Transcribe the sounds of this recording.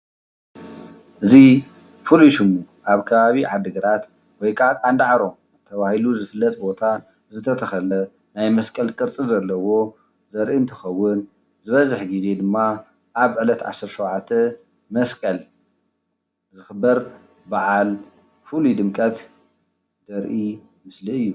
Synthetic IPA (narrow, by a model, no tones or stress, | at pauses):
ʔɨzi | fɨluʃɨmuʔaβkʰɐβaβiʕad̪ɨɡɐɾat̪ | wɔjkʼakʼand̪ʕaɾo̞m | zt̪ʰɐβahiluzɨfɨlːɐt̪ʼbo̞t̪ʰa | zɨt̪ʰɐt̪ʰɐxɐlɐ | najmɐskʼɐlkʼɨɾt͡sʼɨzɐlːɐwo̞ | zɐɾʔint̪ʰɐ̥xɐwːʊn | zɨβɐzɨħɡize̞d̪ɨmːa | ʔaβʕɨlɐt̪ʕa̰sːɨɾʃɐwʕat̪ʰːɐ | mɐskʼɐl | zɨxɨbːɐɾ | baʕal | fɨlud̪ɨmkʼɐt̪ | d̪̥ɐɾʔi | mɨsliɨjːu